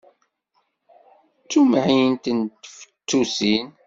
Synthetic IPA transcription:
t͡sːumʕint̪ənt̪əfə̥t͡sːusin

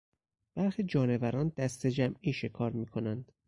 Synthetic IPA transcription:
b̥æɾxid͡ʒɒːne̞væɾɒːnd̪̥æst̪e̞d͡ʒæmiːʃe̞kʰɒːɾmiːkʰo̞nænd̪̥

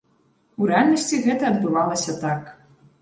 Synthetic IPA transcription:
uɾɛalʲnɐsʲt͡sʲiɣɛt̪ɐːd̪bɨvalˠɐsʲɐt̪ak

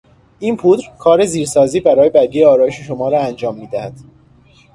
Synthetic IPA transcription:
ʔiːnpʰuːd̪ɾkʰɒːɾe̞ziːɾsɒːziːbæɾɒːje̞bæɾɡ̪iːjeɒːɾɒːjeʃeʃomɒːɾɒːænd͡ʒɒːmːiːd̪æhæd̪̥

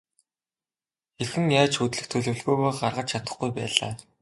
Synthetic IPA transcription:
xerxɘ̆ŋjaːt͡ɕxut̪ɮɘ̆xt̪ʰɵɮɵ̆wɮɣujɣoːɢarʁə̆t͡ɕt͡ɕʰat̪ə̥̆χɡujpæ̰ːɮa̰ː

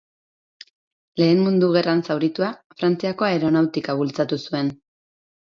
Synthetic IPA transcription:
le̞ːnmund̪uɣe̞ransawɾit̪uafɾant͡siako̞aeɾo̞nawt̪ikaβult͡sat̪usue̞n

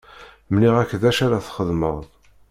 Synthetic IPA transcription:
mniʁækːðæʃaɾaθχəðmə̰ʁðˤ

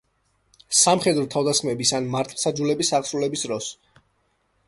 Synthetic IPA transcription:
samχɛd̪ɾɔt̪ʰavd̪asχmɛbisanmaɾt̪ʼʰlsad͡ʒulɛbisaʁsɾulɛbisɾɔs

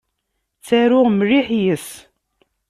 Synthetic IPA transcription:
t͡sːæɾʊʁmriħjəs

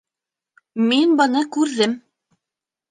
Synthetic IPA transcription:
minbɤ̆nɤkʉɾðɘm

